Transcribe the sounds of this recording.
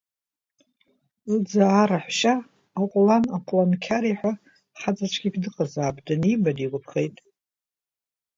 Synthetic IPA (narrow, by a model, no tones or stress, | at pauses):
ɨd͡zaːɾaħʷʃaː | qʷʼlanaqʷʼlankʲʰaɾiħʷᶣa | ħat͡sʼat͡ʃʷʰɡʲikʰdɨqʼazaːbdanibadiɡʷʊpʰχejtʼ